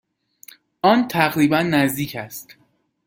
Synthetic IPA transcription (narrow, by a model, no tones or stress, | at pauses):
ɒːnt̪ʰæɣɾiːbænːæzd̪iːcʰæst̪